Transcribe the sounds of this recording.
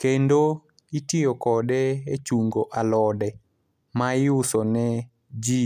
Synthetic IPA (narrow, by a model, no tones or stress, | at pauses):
kendo | itɪjɔkɔdɛet͡ʃuŋɡoʔalɔdɛ | maɪʊsɔnɛ | d͡ʒi